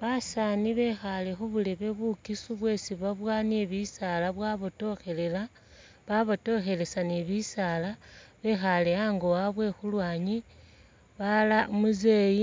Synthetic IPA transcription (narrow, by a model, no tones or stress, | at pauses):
βasaːniβe̞xale̞xuβule̞βe̞βukisuβwe̞ːsiβaβwaneβisalaβwaːβoto̞xe̞le̞la | βaβoto̞xe̞le̞saneβisaːlaβe̞xaleaŋɡowaβwe̞xulwaːɲi | βalamuzeji